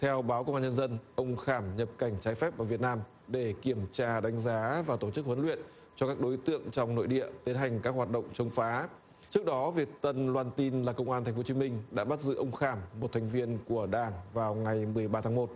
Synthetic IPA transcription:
t̪ʰɛ˧wɓaː˨˦wkə˧wŋ͡mʔaː˧ɲə˧nzə˧nʔə˧wŋ͡mxaː˧˩mɲə˨˩p̚ka˧˩jŋ̟t͡ɕaː˨˦jfɛ˦˥p̚vaː˨˩vi˨˩ət̚naː˧m | ɗe˧˩ki˧˩əmt͡ɕaː˧ɗa˨˦jŋ̟zaː˨˦vaː˨˩t̪o˧˩t͡ɕɨ˦˥k̚hə˨˦nlwḭ˧˨ən | t͡ɕɔ˧kaː˦˥k̚ɗo˨˦jt̪ɨ̰˧˨əŋt͡ɕɔ˧wŋ͡mno̰˧˨jɗḭ˧˨ət̪i˨˦nɦa˨˩jŋ̟kaː˦˥k̚hwaː˨˩t̚ɗə̰˧˨wŋ͡mt͡ɕə˧wŋ͡mfaː˨˦ | t͡ɕɨ˦˥k̚ɗɔ˨˦vi˨˩ək̚t̪ə˧nlwaː˧nt̪i˧nlaː˨˩kə˧wŋ͡mʔaː˧nt̪ʰɛ˨˩ŋ̟fo˨˦t͡ɕi˨˦mï˧ŋ̟ɗa̰ː˧˥ɓa˦˥t̚zɨ̰˧˨ʔə˧wŋ͡mxaː˧˩mːo˨˩t̪ʰjŋ̟vi˧ənku˧˩əɗaː˨˩ŋvaː˨˩wŋa˨˩jmɨ˨˩əjɓaː˧t̪ʰaː˨˦ŋmo˨˩t̚

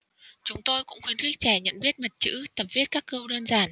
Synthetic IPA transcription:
t͡ɕʊ˨˦ŋ͡mt̪o˧jkʊ̰˧˥ŋ͡mxwi˨˦ənxi˦˥t̚t͡ɕɛ˧˩ɲə̰˧˨nɓi˦˥ət̚mə˨˩t̚t͡ɕɨ̰˧˥t̪ə˨˩m̚vi˦˥ət̚kaː˦˥kːə˧wɗəː˧nzaː˨˩n

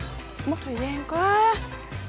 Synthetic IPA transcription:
mə˦t̚t̪ʰəː˨˩jzaː˧nkɔ˨˦

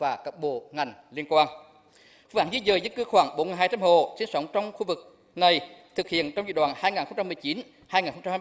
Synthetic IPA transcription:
vaː˨˩kə˨˧˩p̚ɓo̰˧˨ŋa˨˩jŋ̟li˧ənkwaː˧n˧˦ | ʔaː˧˩nzi˧˦zəː˨˩zə˧˦nkɨ˧xwaː˧˩ŋɓo˨˦n˨˩ɦhaː˧t͡ɕa˧mɦo̰˧˨si˧˦nsə˨˦wŋ͡mt͡ɕɔ˧wŋ͡mxu˧vɨ˨˩k̚ | na˨˩jt̪ʰɨ˨˩k̚hḭ˧˨ənt͡ɕɔ˧wŋ͡mzɨ̰˧˨˩ɗwa̰ː˧˨nhaː˧jŋaː˨˩nxə˧ŋ͡mt͡ɕa˧mɨ˨˩əjt͡ɕi˨˦n | haː˧jŋaː˨˩nxə˧wŋ͡mt͡ɕa˧haː˧

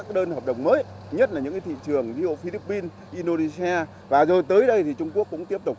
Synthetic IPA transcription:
k̚ːɗəː˧nhə˨˩p̚ɗə̰˨˩wŋ͡mməː˨˦j | ɲə˦˥t̚la˨˩ɲɨ̰˧˥ŋkaː˨˦t̪ʰḭ˧˨t͡ɕɨ˨˩əŋzi˧o̰˧˨fi˧li˦˥pːi˧n | ʔi˧no˧ne˧si˧a˧ | vaː˨˩zo˨˩jt̪əː˨˦jɗə˧jt̪ʰi˨˩t͡ɕʊ˧ŋ͡mku˦˥əkːʊ̰˧˥ŋ͡mt̪i˦˥əp̚t̪ʊ˨˩k͡p̚

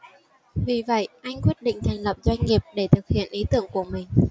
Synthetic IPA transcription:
vi˨˩və̰˧˨jʔa˧jŋ̟kwi˦˥ət̚ɗḭ̈˧˨ŋ̟t̪ʰa˨˩ŋlə˨˩p̚zwa˧jŋ̟ŋi˨˩əp̚ɗe˧˩t̪ʰɨ˨˩k̚hḭ˧˨ənʔi˨˦t̪ɨ˧˩əŋku˧˩əmï˨˩ŋ̟

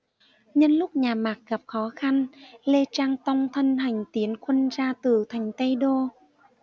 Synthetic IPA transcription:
ɲə˧nlʊ˦˥k͡p̚ɲaː˨˩maː˨˩k̚ɣa˨˩p̚xɔ˨˦xa˧nle˧t͡ɕaː˧ŋt̪a˧wŋ͡mt̪ʰə˧nha˨˩jŋ̟t̪i˨˦ənxwə˧nzaː˧t̪ɨ˨˩t̪ʰa˨˩jŋ̟t̪ə˧jɗo˧

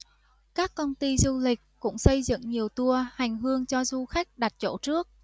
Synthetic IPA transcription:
kaː˦˥kːə˧wnt̪i˧zu˧lï˨˩k̟̚kʊ̰˧˥ŋ͡msə˧jzɨ̰˧˨ŋɲi˨˩əwt̪u˧əha˨˩jŋ̟ɦɨ˧əŋt͡ɕɔ˧zu˧xa˦˥jk̟̚ɗa˨˩t̚t͡ɕo̰˧˥t͡ɕɨ˦˥ək̚

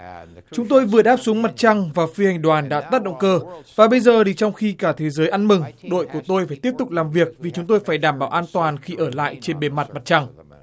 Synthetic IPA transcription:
t͡ɕʊ˨˦ŋ͡mt̪o˧jvɨ̰˨əɗaː˦˥p̚su˨˦əŋma˨˩t̚t͡ɕa˧ŋvaː˨˩fi˧ha˨˩jŋ̟ɗwaː˨˩nɗa̰ː˧˥t̪ə˦˥t̚ɗə̰˧˨ŋ͡mkəː˧vaː˨˩ɓə˧jzəː˨˩ɗi˨˩t͡ɕɔ˧wŋ͡mxi˧kaː˧˩t̪ʰe˨˦zəː˨˦jʔa˧nmɨ˨˩ŋɗo̰˧˨jku˧˩ət̪o˧jfaː˧˩jt̪i˦˥əp̚t̪ʊ˨˩k͡p̚laː˨˩mvi˨˩ək̚vi˨˩t͡ɕʊ˨˦ŋ͡mt̪o˧jfaː˧˩jɗaː˧˩mɓaː˧˩wʔaː˧nt̪waː˨˩nxi˧ʔəː˧˩la̰ː˧˨jt͡ɕe˧nɓe˨˧˦nma˨˩t̚ma˨˩t̚t͡ɕa˧ŋ

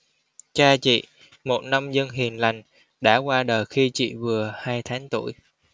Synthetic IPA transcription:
t͡ɕaː˧t͡ɕḭ˧˨ | mo˨˩t̚na˧mzə˧nɦi˨˩ənla˨˩jŋ̟ | ɗa̰ː˧˥kwaː˧ɗəː˨˩jxi˧t͡ɕḭ˧˨vɨ˨˩əhaː˧jt̪ʰaː˨˦ŋt̪ṵ˧˩əj

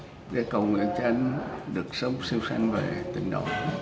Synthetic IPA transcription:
ɗḛ˨˦kə˨˩wŋwḭ˧˨ənt͡ɕe˧nɗɨ˨˩ək̚sə˨˦wŋ͡msi˧wsa˧jŋve˨˩t̪ï˧˨˩ŋ̟ɗo̰˧˨

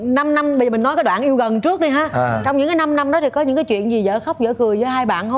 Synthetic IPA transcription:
na˧mna˧mɓə˧zi̟˨˩nɔ˨˦jkaː˨˦jɗwa̰ː˧˨ʔi˧əwɣə˨˩nt͡ɕɨ˦˥ək̚ɗi˧ɦaː˨˦t͡ɕɔ˧wŋ͡mɲɨ̰˧˥ŋkaː˨˦jna˧mna˧mɗɔ˨˦t̪ʰi˨˩kɔ˨˦ɲɨ̰˧˥ŋkaː˨˦jt͡ɕwḭ˧˨ənzi˨˩zə̰ː˧˨˩xə˦˥k͡p̚zə̰ː˧˨kɨ˨˩əjzəː˨˦jɦaː˧jɓa̰ː˧˨nho˧˦

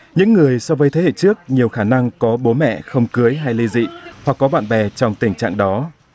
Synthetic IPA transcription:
ɲɨ̰˧˥ŋːɨ˨˩əjsɔ˧vəː˨˦jt̪ʰe˨˦hḛ˧˨t͡ɕɨ˦˥ək̚ɲi˨˩əwxaː˧˩na˧ŋkɔ˨˦ɓo˨˦mɛ̰˧˨xə˧wŋ͡mkɨ˨˦əjɦa˧jli˧zḭ˧˨hwa˨˩k̚ːɔ˨˦ɓa̰ː˧˨nɓɛ˨˩t͡ɕɔ˧wŋ͡mt̪ï˧˩ŋ̟t͡ɕa̰ː˧˨ŋɗɔ˨˦

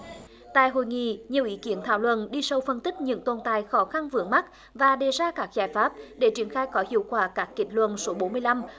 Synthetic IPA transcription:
t̪a̰ː˧˨jɦo̰˧˨jŋḭ˧˨ɲi˨˩əwʔi˨˦ki˨˦ənt̪ʰaː˧˩wlwə̰˧˨nɗi˧sə˧wfə˧nt̪ï˦˥k̚ɲɨ̰˧˥ŋt̪o˧nt̪aː˧˨jxɔ˨˦xa˧nvɨ˨˦əŋma˦˥k̚ | vaː˨˩ɗe˨˩zaː˧kaː˦˥k̚zaː˧˩jfaː˦˥p̚ɗe˧˩t͡ɕi˨˧˩ənxaː˧jkɔ˨˦hḭ˧˨əwkwaː˧˩kaː˦˥kːi˧˩t̚lwə̰˧˨nso˨˦ɓo˨˦nmɨ˧əjla˧m

